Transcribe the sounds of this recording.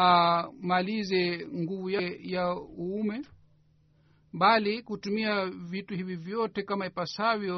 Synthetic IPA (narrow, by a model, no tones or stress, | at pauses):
amalizɛŋɡuvujɛjauumɛ | ɓalikutumiavituhivivjɔtɛkamaipasavjɔ